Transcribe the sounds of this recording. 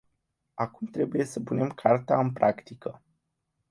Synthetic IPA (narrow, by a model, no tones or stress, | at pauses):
akumt̪ɾe̞buje̞səpune̞mkʰart̪aɨmpɾakt̪ikʰə